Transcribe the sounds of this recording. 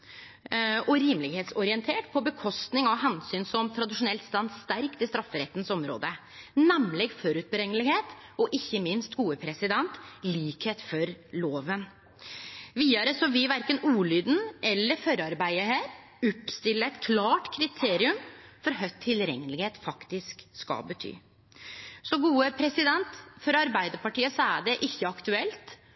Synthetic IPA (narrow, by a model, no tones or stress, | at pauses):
ɔɾiːmlɪɡheːt̪sɔɾɪɛnt̪ʰeːʈpʰɔbəkʰɔst̪nɪŋɑʋɦɛnsyːnsɔmt̪ʰɾɑd̪ɪʂʊnɛlt̪st̪ɑnd̪st̪æɾkt̪ɪst̪ɾɑfːəɾɛt̪ːn̩sɔmɾo̰ːd̪ə | nɛmlɛɡfɔɾʉt̪̚bəɾɛŋːəlɪɡheːt̪ɔʔɪçːəmɪnst̪ɡuːəpʰɾɛsɪd̪ɛnt̪liːkheːt̪fɔɾloːʋən | ʋiːɑɾəsɔʋɪʋæɾkənuːlyːd̪n̩ʔɛlːəɾfœɾɑɾbæɪəhæːɾ | ʉpst̪ɪlːəɛt̪kʰlɑːʈkʰɾɪt̪ʰeːɾɪʉmfɔɾɦœt̪ʰːɪlɾɛ̰ŋːəlɪɡheːt̪fɑkt̪ɪskskɑ̰lbət̪ʰy̰ː | sɔɡuːəpʰɾɛsɪd̪ɛnt̪fɔɾɑɾbæɪd̪əɾpɑʈiːəsɔæɖɛʔɪçːəɑkt̪ʉɛlt̪